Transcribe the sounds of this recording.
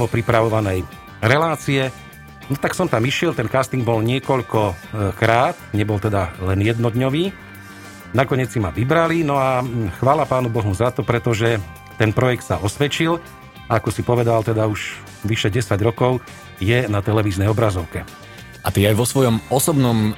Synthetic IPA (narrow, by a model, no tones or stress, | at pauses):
ʋɔpɾipɾaʋɔʋanɛj | ɾɛlaːt͡siɛ | nɔt̪aksɔmt̪amiʃɪɛlt̪ɛnkaːst̪iŋɡ̚bɔlɲɪɛkɔʎkɔkɾaːt̪ɲɛbɔlt̪ɛd̪alɛnjɛd̪nɔd̪ɲɔʋiː | nakɔɲɪɛt͡ssimaʋibɾalinɔaxʋaːlapaːnubɔɦuzat̪ɔpɾɛt̪ɔʒɛ | t̪ɛnpɾɔjɛk̚t̪saɔsʋɛt͡ʃil | aakɔsipɔʋɛd̪alt̪ɛd̪auʒ | ʋiʃɛɟɛsaɟɾɔkɔʊ | jɛnat̪ɛlɛʋiːznɛjɔbɾazɔʊkɛ | ʔat̪iːajʋɔsʋɔjɔmɔsɔbnɔm